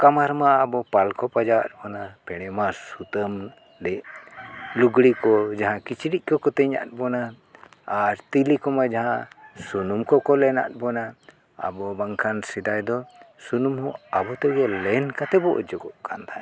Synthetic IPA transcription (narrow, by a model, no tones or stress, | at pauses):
kamaɾmaːbɔpalkɔpad͡ʒawa̰t̪̚bɔnapɛɽ̃ɛmasut̪əm | dɛʔ | luɡɽikɔd͡ʒaɦãkit͡ʃiɽic̚ˀkɔkɔt̪əɲa̰t̪̚bɔnaː | ɾt̪ilikɔmad͡ʒaɦãsunumkɔkɔlɛna̰t̪̚bɔna | a̰bɔbaŋkʰansid̪ajd̪ɔsunumhɔ̃abɔt̪ɛɡɛlɛnkat̪ɛbɔʔɔ̰d͡ʒɔɡɔʔkʰant̪ʰa